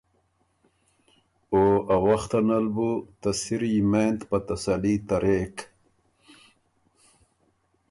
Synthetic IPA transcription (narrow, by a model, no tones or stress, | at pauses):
oawaxt̪analbut̪asiɾimeːnt̪pat̪asalit̪aɾʔeːk